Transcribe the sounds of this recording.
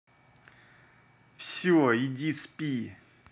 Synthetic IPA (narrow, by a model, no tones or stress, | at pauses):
fɕiwjid͡ʑispi